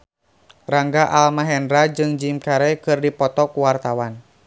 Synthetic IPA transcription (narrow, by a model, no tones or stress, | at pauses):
raŋɡaʔalmaɦɛndɾad͡ʒɨŋd͡ʒimkaɾɛkɨrdipɔt̪ɔkuwart̪awan